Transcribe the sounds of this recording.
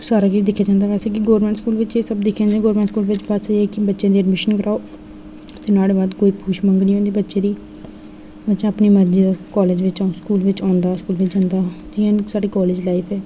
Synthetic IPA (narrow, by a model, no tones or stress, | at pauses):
saːɾaːkid̪ɪkʰːjaːd͡ʒãːnd̪aːʋɛːseːk̬ɪɡoːɾmɛ̃ɳʈskuːlʋɪt͡ʃeːsəbd̪ɪkʰːjãːd͡ʒãːɡoːɾmɛːɳʈskuːlʋɪt͡ʃbat̪sɛːkɪbətːʃãːd̪iːɛɖmɪʃənkəɾʔaːoː | t̪eːnaːɽebaːd̪koːiːpʰuːʃmə̃ŋɡnĩːõːnd̪iːbətːʃẽːd̪iː | bətːʃãːəpniːməɾd͡ʒiːd̪aːkɔːleːd͡ʒʋɪt͡ʃaskuːlʋɪt͡ʃãːʊnd̪aːskuːlʋɪt͡ʃd͡ʒãːnd̪aːd͡ʒɪãːsaːɖiːkɔːleːd͡ʒlaːipʰɛː